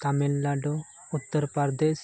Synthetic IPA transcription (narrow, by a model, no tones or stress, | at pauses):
kamelːaɖo | ut̪ːəɾpaɾd̪es